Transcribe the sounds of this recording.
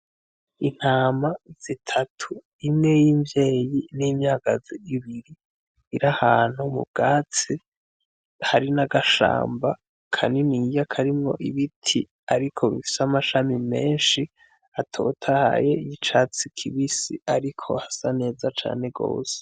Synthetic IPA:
in̥haːmaz̥itʰatʰu | imŋe̞jiːmvje̞ːjiniːmɲaːɡ̥aziiβiɾiː | ɾahaːn̥humṵb̚ɡ̥aːt͡si | haɾinaɡaʃa̰ːmba | kʰa̰ninijakʰaɾimŋo̞ʔiβitʰi | aɾikʰo̞βifi̥samaʃamime̞ːnʃi | atʰo̞̰ːtʰaha̰je̞ijit͡ʃaːt͡sikʰiβisiaɾikʰo̞hasane̞ːzat͡ʃa̰ːne̞ɡo̞̰ːse̥

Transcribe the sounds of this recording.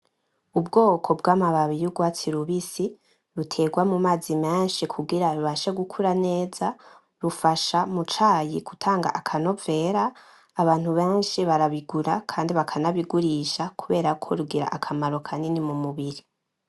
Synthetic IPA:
ubɡo̞ːkʰo̞bɡaːmaβaβijuɡwaːt͡siɾuβisi | ɾutʰe̞ɡwamumaːzime̞ːnʃikʰuɡiɾaɾuβaʃe̞ɡukʰuɾane̞ːza | ɾufaʃamut͡ʃaːjiku̥tʰaːŋɡa̰ʔakʰano̞ve̞ːɾaː | βaːn̥huβe̞ːnʃiβaɾaβiɡuɾakʰaːndiβakʰanaβiɡuɾiʃakuβe̞ːɾakʰo̞ɾuɡiɾa̰ʔakʰamaɾo̞kʰaninimumuβiɾi

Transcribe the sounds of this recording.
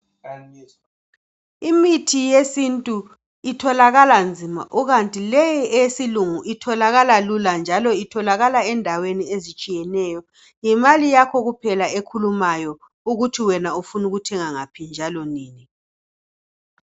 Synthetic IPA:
imitʰijesintʼu | itʰɔlaɣaland͡zʱima̰ʔuɣantʼilɛjɛɛjesiluŋuʔitʰɔlaɣalaluland͡ʒʱalɔitʰɔlaɣalaɛndʱaweniezit͡ʃʼijɛnɛːjɔ | jɛmalijakʰɔɣupʰɛlaekʰulumajɔ | uɣutʰiwɛnaufunuɣutʰɛŋaŋapʰind͡ʒʱalɔniːni

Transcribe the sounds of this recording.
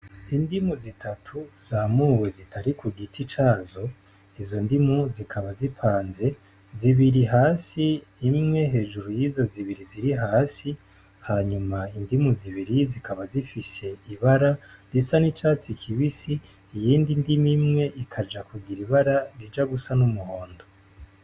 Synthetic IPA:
indimuzitʰatʰuz̥amuːwezitʰaɾikuɡitʰit͡ʃaːzo̞ | izo̞ndimuzikʰaβazipʰaːnze̞ | ziβiɾiɦaːsiːmŋe̞ɦe̞ːʒuɾujizo̞ziβiɾiziɾiɦaːsi | haɲumaindimuziβiɾizikʰaβazifise̞iβaɾaɾisanit͡ʃaːt͡sikʰiβisiː | jiːndindimimŋe̞ʔikʰad͡ʒakuɡiɾiβaɾaɾid͡ʒaɡusanumuho̞ːndo

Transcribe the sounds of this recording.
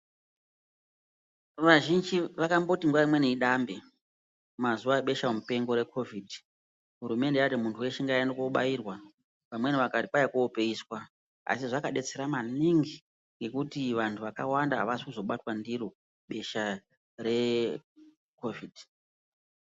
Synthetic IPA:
ʋaʒind͡ʒiʋakambo̞tiŋɡwaimwe̞neiɗambe | mazuwaeɓe̞ʃaomupe̞ŋɡo̞ɾe̞kʰo̞vʱidʱi | ɦuɾume̞ndejatimuntʰuwe̞ʃeŋɡajanokoɓa̰jiːrwa | pamwe̞niʋakatiɓajakuope̞iːswa | a̰siʐakaɗe̞t͡se̞ɾamaniŋɡi | ŋɡe̞kutiʋantʰuʋakawandaɦːʋasi̥kuzo̞ɓatwandiro | ɓe̞ʃa | re̞ | ko̞viːd̥ʱ

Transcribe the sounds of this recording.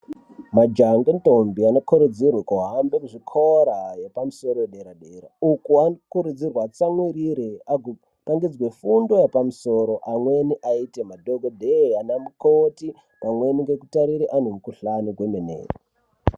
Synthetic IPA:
mad͡ʒaŋɡentombianokʰoɾud͡zirwekuɦambekuʐikʰoɾajepamuso̞ɾojeɗeɾaɗeɾa̰ukuakuɾud͡zirwat͡samwiɾiɾeaɡʱo | taŋɡid͡zwefundo̞jepamuso̞ɾoʔamwe̞niʔaitemadʱoɡʱodʱeanamukoti | paŋwe̞niŋɡe̞kutaɾiɾeʔan̤umukuɬanuɡwemenḛːri

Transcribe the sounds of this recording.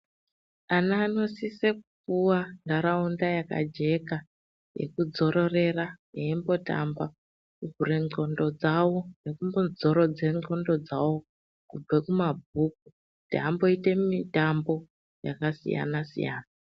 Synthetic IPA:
anaːno̞sisekukuwandaɾaundajaka̰d͡ʒe̞ka | jḛkud͡zo̞ɾo̞re̞raneembo̞ta̰mba | kuɡureŋo̞ndo̞d͡zawo̞ne̞kumbonzo̞ɾod͡ze̞ŋo̞ndo̞d͡zawo̞ | kub͡vekumabʱuk̚u | tiɦambo̞ite̞mitambo̞ | ja̰kasḭja̰nasḭja̰ːna

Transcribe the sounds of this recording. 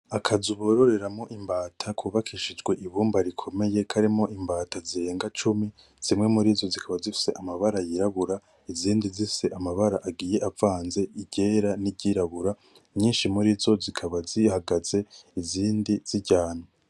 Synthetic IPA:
akʰazuβo̞ɾo̞ɾe̞ɾamŋo̞ʔimbaːtʰakʰuːβakʰiʃid͡ʒɡwe̞ʔiβuːmbaɾikʰo̞me̞je̞kʰaɾimo̞ʔimbaːtaziɾe̞ːŋɡat͡ʃumi | z̥imŋe̞muɾizo̞zikʰaβazifi̥se̞ʔamaβaɾajiɾaβuɾa | iziːndizifiseʔamaβaɾaʔaɡiːje̞ʔavaːnze̞iɟe̞ːɾaniɟiɾaβuɾa | ɲiːnʃimuɾizo̞zikʰaβazihaɡaz̥e̞iziːndiz̥iɟaːno

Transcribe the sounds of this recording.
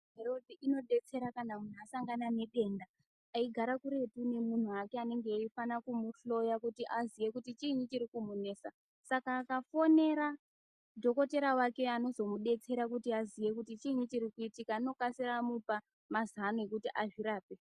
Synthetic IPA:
ɦe̞ɾo̞dʱiʔino̞ɗe̞t͡se̞ɾakanamun̤uasaŋɡanane̞ɗe̞ndaː | iɡʱaɾakuɾe̞tune̞mun̤uakeane̞ŋɡeifanakumuɬo̞jakutiʔazije̞kutit͡ʃiɲut͡ʃiɾikumune̞ːsa | sakaːkafo̞ne̞ɾa | dʱo̞ko̞te̞ɾawake̞ano̞zo̞muɗe̞t͡se̞ɾakutiazije̞kutit͡ʃiɲit͡ʃiɾikuitikaino̞kasiɾamupa | mazanoe̞kutiʔaʐiɾaːpe̞

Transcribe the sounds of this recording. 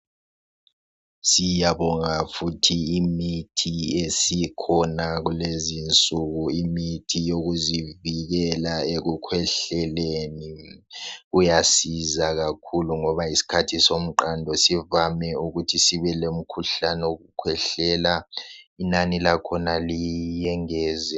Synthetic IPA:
sijaβɔŋafutʰiːmitʰiesikʰɔnaɣulezint͡sʼuɣuimitʰijoɣuziviɣɛlaeɣukʰwɛɬɛleni | ujasizaɣakʰuluŋɔβaisi̥kʰatʰisom̩ǃandʱɔsivamɛuɣutʰisiβɛlom̩kʰuɬanɛoɣukʰwɛɬɛlainanilakʰɔnalijɛŋɛːzɛ

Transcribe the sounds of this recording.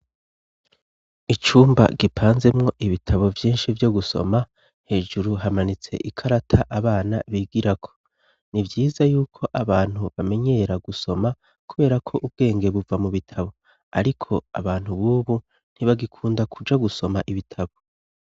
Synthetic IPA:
it͡ʃuːmba̰ɡipʰaːnze̞mŋo̞ʔiβitʰaβo̞vjiːnʃivjo̞ɡuso̞̰ma | he̞ːʒuɾuɦamanit͡se̞̰ʔikʰaɾatʰaʔaβaːna̰βiːɡiɾakʰo̥ | nivjiːzajuːkʰo̞ʔaβaːn̥huβame̞ɲe̞ɾaɡuso̞ma | kuβe̞ːɾakʰo̞ʔub̚ɡe̞ːŋɡe̞βuvamuβitʰaβo̞ | aɾikʰo̞a̰βaːn̥huβuːβu | n̥iβaɡikʰuːndakʰud͡ʒaɡuso̞maʔiβitʰaβo̞

